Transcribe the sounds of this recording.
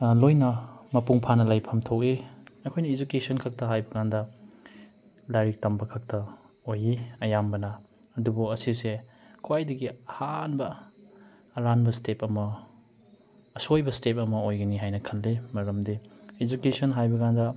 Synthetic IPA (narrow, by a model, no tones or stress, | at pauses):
lojnɐmɐpuŋpʰanɐlajpʰɐmtʰok̚iɐkʰojnɐid͡ʒukesɐnkʰɐk̚tɐɦajbɐkandɐ | laɾik̚tɐmbɐkʰɐk̚tɐ | ojiɐjambɐnɐ | ɐdubuɐsise | kʰwajdɐɡiɐhanbɐː | ɾanbɐstepɐmɐ | sojbɐstep̬̚ɐmɐojɡɐniɦajnɐkʰɐnlemɐɾɐmdied͡ʒukesɐnɦajbɐkandɐ